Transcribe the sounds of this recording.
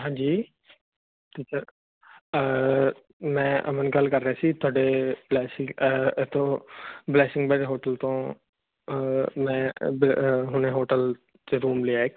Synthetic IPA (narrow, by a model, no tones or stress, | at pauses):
ɦãːd͡ʒiː | t̪iːt͡ʃəɾ | mɛ̃ʔɐ̰mənɡɐlkɐɾːɐɦaːsit̪ʰaːɖeblɛːsɪ̃ŋɡet̪õblɛːsɪ̃ŋɡbɛːʈeɦoːʈəlt̪õː | mɛ̃bɦʊnẽɦoːʈəl | t͡ʃeɾuːmliaːek